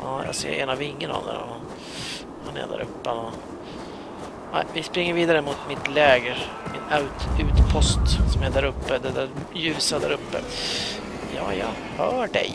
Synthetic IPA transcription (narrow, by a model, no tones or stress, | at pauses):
ɑːjɑ̰ːɡsḛːɾɛ̰navɪŋːəna̰vd̪ɛ̰ɾɔ̰han | hanæ̰ja̰d̪æ̰ɾɵ̰pːəanan | næ̰ɪvɪspɾɪŋːəɾviːd̪aɾəmʊt̪mɪt̪lɛːɡəɾ | mɪnaʉt̪ʉːt̪pʰɔst̪sɔmɛd̪æɾɵpːəd̪ɛd̪æɾjʉ̟ːsad̪æɾɵpːə̰ | jɑ̰ːjɑ | hœːɖɛ̰j